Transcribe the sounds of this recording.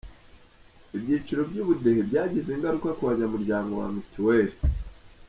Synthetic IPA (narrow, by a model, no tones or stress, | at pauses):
ibɟiːt͡ʃiɾo̞bɟuːβudehebɟaːɟiziːŋɡaɾukakuβaɲamuɾɟaːŋɡo̞βa̰mutiwe̞ːɾi